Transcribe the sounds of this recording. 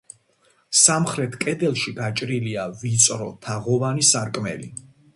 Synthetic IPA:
samχɾɛt̪ʰkʼɛd̪ɛlˠʃiɡat͡ʃʼɾiliavit̪sʼɾɔ̰t̪ʰaʁɔvanisaɾkʼmɛ̰lḭ

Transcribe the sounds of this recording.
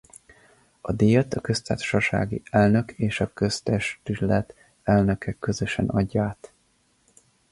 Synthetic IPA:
ɒd̪ejɛt̪ɒkø̞st̪ḁːʃɒʃa̰ːɡḭɛlnø̞kʰeːʃɒkø̞st̪ɛʃt̪ylɛt̪ | ɛlnøkɛkø̞zø̞ʃɛ̰nɒɟːaːt̪

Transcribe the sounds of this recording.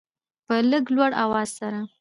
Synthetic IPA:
pələɡlwaɽawɑzsaɾa

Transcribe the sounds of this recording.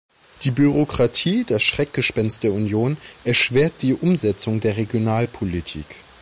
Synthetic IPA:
d̥iːbyʁ̞okʁ̥atʰiːd̥asʃʁ̥ɛk̚ɡ̥əʃpɛnst̚d̥eːɐunjoːnʔɛɐʃv̥eːɐt̚d̥iːʔʊmzɛt͡sʊŋdeːɐʁeɡjonaːlpʰolitʰḭːk

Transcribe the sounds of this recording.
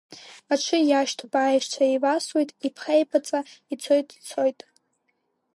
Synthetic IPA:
aʈ͡ʂʷʰɨjaʃtʰbaːjʃt͡ʃʰaivaswejtʼipʰχejpʰat͡sʼait͡sʰo̞jtʼt͡sʰo̞jtʼ

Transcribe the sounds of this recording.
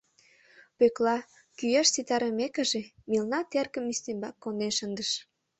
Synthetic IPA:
pøklɑ | kyjɑʃsit̪ɑɾə̆mekə̆ʒemilnɑt̪erkə̆mist̪embɑkːoneʃənd̪əʃ

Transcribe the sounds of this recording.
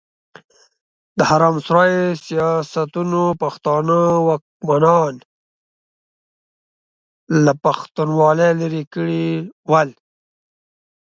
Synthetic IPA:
d̪əhaɾɑːmsɾɑjesijɑsat̪unopaxt̪ɑnəwak̚manɑn | lapaxt̪unwɑlelaɾikəɽiwal

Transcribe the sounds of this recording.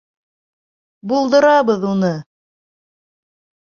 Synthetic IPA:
bulˠd̪ɤ̆ɾɑβɤðunɤ

